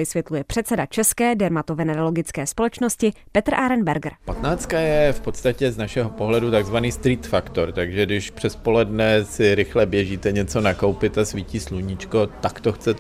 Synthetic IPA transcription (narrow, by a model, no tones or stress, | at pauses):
vɪsvjɛt̪lujɛpr̝̥ɛt̪t͡sɛdat͡ʃɛskɛːdɛɾmat̪ovɛnɛɾalo̞ɡɪt͡skɛːspo̞lɛt͡ʃnoscɪpɛt̪r̩ʔaɾɛnbɛɾɡrpat̪naːt͡st̪̚kajɛfpot̪st̪acɛznaʃɛɦo̞poɦlɛdut̪aɡzvaniːst̪ɾiːt̪fakt̪oɾt̪aɡʒɛdɪʃpr̝̥ɛspo̞lɛdnɛsɪɾɪxlɛbjɛʒiːt̪ɛɲɛt͡so̞nako̞wpɪt̪asviciːsluɲɪt͡ʃko̞t̪akt̪oxt͡sɛ